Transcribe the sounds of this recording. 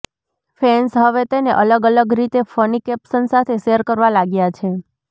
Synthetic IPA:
fɛnsɦəʋet̪eneʔələɡələɡɾit̪efənikɛpsənsat̪ʰeʃeəɾkəɾʋalaɡjat͡ʃʰe

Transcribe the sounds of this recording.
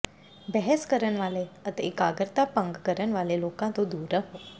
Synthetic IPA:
bɛɦəskəɾənʋaːleət̪ekaːɡəɾt̪apə̃ŋɡkəɾənʋaːleloːkãt̪od̪uːɾəɦoː

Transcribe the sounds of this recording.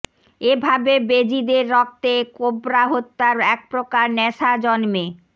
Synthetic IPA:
ebʱabebed͡ʑid̪eɾːɔk̚t̪ekobɾaɦot̪ːaɾɛk̚pɾokaɾnɛʃad͡ʑɔnme

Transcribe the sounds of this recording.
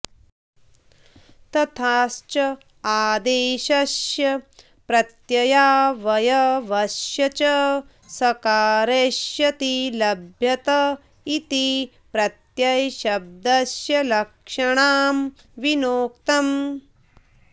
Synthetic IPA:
t̪ɐt̪ʰaːst͡ʃɐ | aːd̪eːʃɐʃjɐ | pɾɐt̪jɐjaːʋɐjɐʋɐʃjɐt͡ʃɐ | sɐkaːɾeːʃjɐt̪ilɐbʱjɐt̪ɐ | it̪i | pɾɐt̪jɐjʃɐb̚d̪ɐsjɐlɐkʂɐɳaːm | ʋinoːk̚t̪ɐm

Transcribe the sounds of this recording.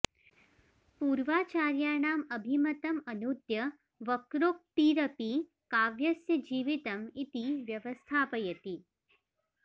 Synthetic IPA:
puːɾʋaːt͡ʃaːɾjaːɳaːmɐbʱimɐt̪ɐmɐnud̪jɐ | ʋɐkɾok̚t̪iːɾɐpi | kaːʋjɐsjɐd͡ʒiːʋit̪ɐmit̪iʋjɐʋɐst̪ʰaːpɐjɐt̪i

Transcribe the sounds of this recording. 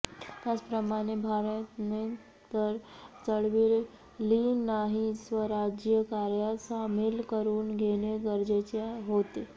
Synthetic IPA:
t̪jat͡spɾəmaɽ̃ebʱaɾət̪ne | t̪əɾt͡səɽʋil | linaɦisʋəɾad͡ʑjəkaɾjasamilkəɾuːnɡʱeñeɡəɾd͡ʑet͡ɕaɦot̪e

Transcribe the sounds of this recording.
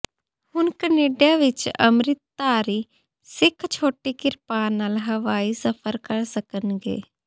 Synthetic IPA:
hʊnkəneːɖjaːʋɪt͡ʃə̰mɾɪt̪ːaːɾiː | sɪkʰt͡ʃʰoːʈiːkɪɾpaːnːaːlɦəʋaːiːsəpʰəɾkəɾsəkənɡḛː

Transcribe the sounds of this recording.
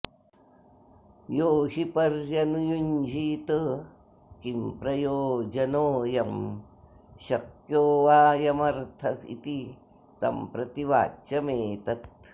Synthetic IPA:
joːɦipɐɾjɐnujuɲd͡ʒʱiːt̪ə | kimpɾɐjoːd͡ʒɐnoːjɐm | ʃɐkjoːʋaːjɐmɐɾt̪ʰɐsḭt̪i | t̪ɐ̰mpɾɐt̪iʋa̰ːt͡ʃɐmeːt̪ɐt̪̚

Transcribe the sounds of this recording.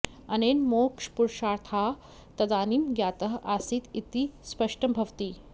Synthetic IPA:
ɐneːnmoːkʂpuɾʃaːɾt̪ʰa | t̪ɐd̪aːniːmɡjaːt̪əɦʔaːsiːt̪it̪ispɐʂʈəmbʱɐʋt̪iː

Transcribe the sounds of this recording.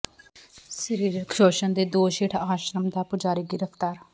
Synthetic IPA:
səɾiːɾkʰoːʃənd̪eːd̪oːʃeːʈʰaːʃɾəmd̪aːpʊd͡ʒaːɾiːɡɪɾəpʰt̪aːɾ

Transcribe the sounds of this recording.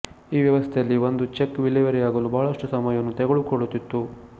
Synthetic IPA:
iːʋjɐʋɐst̪ʰejɐlːiond̪ut͡ʃekːʋilɛʋɐɾijaːɡɐlubɐɦɐɭɐʂʈusɐmɐjɐnːut̪ɛɡɐɭukɔɭut̪ːit̪ːu

